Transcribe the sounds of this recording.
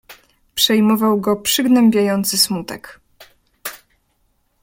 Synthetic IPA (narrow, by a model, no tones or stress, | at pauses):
pʂɛjmɔvawɡɔpʂɘɡnɛmbʲjajɔnt̪sɘsmut̪ɛk